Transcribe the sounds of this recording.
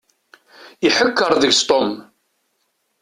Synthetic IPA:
iħəkːəɾˤðəʝst̪ˤom

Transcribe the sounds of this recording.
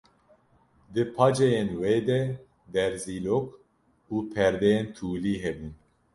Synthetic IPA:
d̪ɨpʰɑːd͡ʒejenweːd̪ɛ | d̪ɛɾziːloːk | uːpʰɛɾd̪ɛjent̪ʰuːliːɦɛbuːn

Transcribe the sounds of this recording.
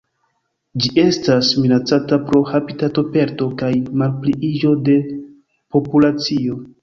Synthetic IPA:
d͡ʒiʔe̞stasminat͡satapɾo̞hapitato̞pe̞ɾto̞kajmalpliʔid͡ʒo̞de̞ | po̞pulat͡sio̞

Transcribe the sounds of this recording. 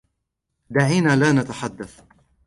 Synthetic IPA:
d̪aʕiːnaːlaːnat̪aħad̪ːaθ

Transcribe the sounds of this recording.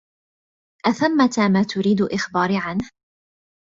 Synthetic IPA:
ʔaθamːat̪aːmaːt̪ʊɾiːd̪ʊlʔɪxbaːɾʕanh

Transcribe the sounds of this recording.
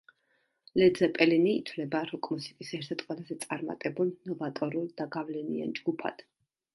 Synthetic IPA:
lɛd̪zɛpʼɛliniːt̪ʰvlɛbaɾɔkʼmɔsi̥k̪ʼisɛɾt̪ʰɛt̪ʼqʼwɛlˠazɛt̪sʼaɾma̰t̪ʼɛbulˠnɔvat̪ʼɔɾulˠd̪aɡavlɛnḭa̰nd͡ʒɡupʰa̰d̪̥

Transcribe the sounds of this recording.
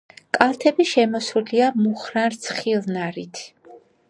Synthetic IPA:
kʼalˠt̪ʰɛbiʃɛmɔsuliamuχɾanɾt̪sʰχilˠnaɾit̪ʰ

